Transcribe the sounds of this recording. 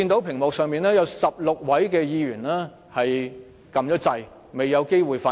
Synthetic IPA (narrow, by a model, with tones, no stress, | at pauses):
iː˧nt̪o˨˥wpʰɪ˨˩ŋmɔː˨k̚sœː˨˧ŋmiː˨nɛː˥jɐ˨˧˥wsɐ˨p̚lʊ˨k̚wɐ˨˥jkɛː˧jiː˧jyː˨˩nlɛː˥ | hɐ˨j | kɐ˨mt͡ʃɔː˨˥t͡sɐ˨˧j | me˨˩jɐ˨˧wke˥jwuː˨jfaː˧